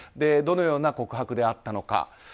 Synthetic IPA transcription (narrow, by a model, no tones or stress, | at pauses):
d̪e̞d̪o̞no̞jo̞ːnako̞kɯ̟ɦakɯ̟d̪e̞at̪ːano̞ka̰